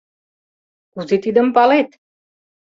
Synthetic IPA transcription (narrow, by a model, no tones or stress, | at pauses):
kuzet̪id̪ə̆mpɑlet̪